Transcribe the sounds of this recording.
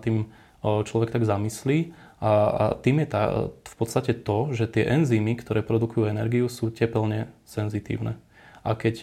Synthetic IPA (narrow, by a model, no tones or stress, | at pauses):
t̪ːiːm | t͡ʃlɔʋɛkt̪aɡzamisliː | ʔa̰t̪iːmjɛt̪a̰fpɔt̪st̪acɛt̪ɔʒɛt̪ɪɛʔɛnziːmikt̪ɔɾɛːpɾɔd̪ukujuɛnɛɾɡiusuːcɛpɛlɲɛsɛnzit̪ḭːʊnɛ̰ | ʔakɛc